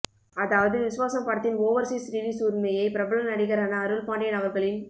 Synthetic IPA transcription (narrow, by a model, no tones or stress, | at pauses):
ɐðaːʋɐðɯʋɪsʊʋaːsɐmpaːɽt̪ːɪnoːʋɐɾsiːsɾiːɽisuːɾmɐjɐɪpɪɾɐbɐɭɐnɐɽɪɣɐɾaːnɐːɾɯɭpaːɳɖɐɪnɐɣɐɾɣɐɭɪn